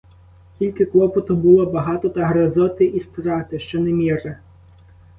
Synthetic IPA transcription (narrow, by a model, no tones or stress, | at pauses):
kʲilʲkɪklˠɔpɔt̪ʊbʊlˠɔbɐɦɑt̪ɔt̪ɐɦɾɐzɔt̪ɪʔist̪ɾɑt̪ɪʃt͡ʃɔnɛmʲire